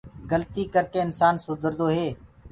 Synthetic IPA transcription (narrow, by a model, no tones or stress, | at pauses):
ɡəlt̪iːkəɾkeːɪnsaːnsʊd̪ʱəɾd̪oːɦeː